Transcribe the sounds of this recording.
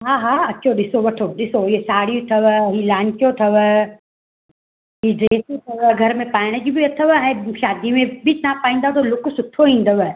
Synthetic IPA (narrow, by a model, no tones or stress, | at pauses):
ɦaːɦaːɐtːʃʰoɗɪsoʋɐʈʰoɗɪsoiɦesaːɽijot̪ʰɐʋɦilaːɲt͡ʃijot̪ʰɐʋ | ɦiɖɾeːsot̪ʰɐʋəɡʱɐɾmẽpaːɪɽ̃əd͡ʑibɪɐt̪ʰəʋɛ̃ːʃaːd̪imẽbʱɪnapaːĩːn̆d̪at̪olʊkʊsʊt̪ʰoĩːn̆d̪əʋ